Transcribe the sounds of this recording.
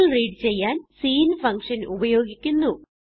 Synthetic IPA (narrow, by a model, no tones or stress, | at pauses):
ɭriːɖɨt͡ɕe̞jːaːnsiːnfɐŋkʂɐnubɐjo̞ːɡikʲːunːu